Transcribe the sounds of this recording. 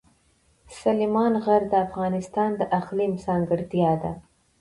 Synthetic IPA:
salimɑnɣaɾd̪əafɣɑnɪst̪ɑnd̪əʔaxlimsɑŋɡɪɾt̪jɑd̪a

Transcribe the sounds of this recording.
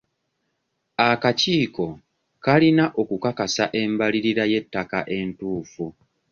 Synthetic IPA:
akaciːko̞ | kalinaʔo̞kukakasa̰ʔe̞mbaliɾiɾaje̞tːakaʔe̞ntuːfu

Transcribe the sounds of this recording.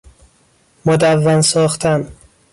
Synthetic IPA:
mod̪ævːænsɒːχt̪ʰæn

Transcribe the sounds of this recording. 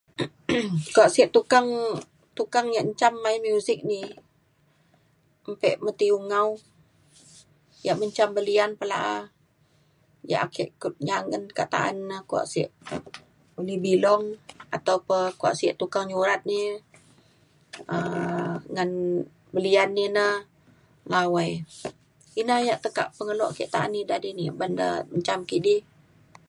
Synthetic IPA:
kuaʔsiəʔt̪ukaŋ | t̪ukaŋjaʔɲt͡ʃamːajmjusɪk̚ni | mpɛʔmət̪iuŋau | jaʔməɲt͡ʃambəlianpəla̰ʔa | ja̰ʔakʰəʔkʊt̪̚ɲaŋənkat̪a̰ʔa̰nːəhkua̰ʔsəʔ | ulihbilɔŋat̪awpəkua̰ʔsiəʔt̪ukaŋɲuɾat̪̚ni | ə | ŋan | bəlianːinəh | ŋawəj | inahjaʔt̪əka̰ʔpəŋəlɔʔkiʔt̪aʔa̰nːidadinibandə̰məɲt͡ʃamkiʔdih

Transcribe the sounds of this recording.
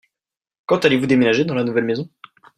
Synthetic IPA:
kɑ̃t̪alevud̪emenaʒed̪ɑ̃lanuvɛlmezɔ̃

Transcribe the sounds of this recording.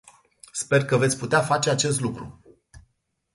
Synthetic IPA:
spe̞rkəve̞t̪sʲput̪eafat͡ʃe̞at͡ʃe̞s̬t̪lukɾṵ

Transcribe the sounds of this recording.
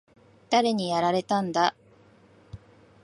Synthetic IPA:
d̪̥aɾe̞ɲ̟ijaɾaɾe̞t̪ãnd̪a

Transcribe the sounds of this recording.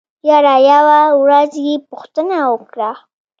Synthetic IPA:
jɑɾɑjawawɾazjepuxt̪ənawəkɽa

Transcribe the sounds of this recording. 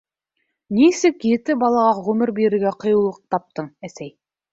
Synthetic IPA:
nisɘkjɘ̆t̪ɘbɑlˠɑʁɑʁʉmɘɾbiɾɘ̆ɾɡæqɤ̆jŭwlˠɤq̚t̪ɑp̚t̪ɤɴæsæj

